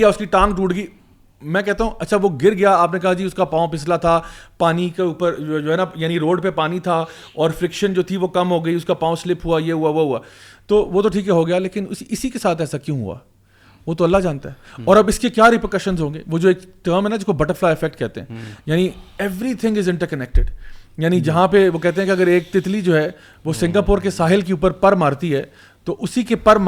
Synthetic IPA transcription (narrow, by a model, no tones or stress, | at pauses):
jaʊskiʈãːŋkʈuːʈɡiː | mɛ̃kɛɦt̪aɦũɐtːʃʰaʋoɡɪɾɡɐjaaːpnek̬ɐɦad͡ʒiːʊskapãːõpɪs̬lat̪ʰapaːnikeuːpəɾd͡ʒod͡ʒoːɦɛnajaːniɾoːɖpepaːnit̪ʰa | ɔːɾfɾɪkʃənd͡ʒoːt̪ʰiʋokɐmɦoːɡɐiʊskapãːõslɪpʰɦʊajeɦuaʋoɦuaːt̪oːʋot̪oʈʰiːkɦɛɦoɡɐjaleːkɪnʊsiɪsikesaːt̪ɛːsakjõːɦṵa̰ː | ʋoːt̪oɐlːad͡ʒãːnt̪aɦɛɔːɾɐbɪskekjaːɾɪpəkəʃə̃nzɦõːŋɡḛːʋoːd͡ʒoeːkʈəːɾmɦɛnad͡ʒɪskobɐʈəɾflaːɪfɛk̚ʈ̚kɛɦt̪ẽɦɛ̃ːjaːniɛʋɾit̪ʰɪ̃ŋɡɪzɪ̃ɳʈəɾkɐnɛk̚ʈɪɖjaːnid͡ʒɐɦãpeʋokɛɦt̪ẽɦɛ̃kiɐɡəɾeːk̚t̪ɪt̪lid͡ʒoːɦɛ | ʋosɪ̃ŋɡaːpʊːɾkesaːɦɪlk̬euːp̬əɾpɐɾmaːɾt̪iɦɛː | t̪oʔʊsikepɐɾm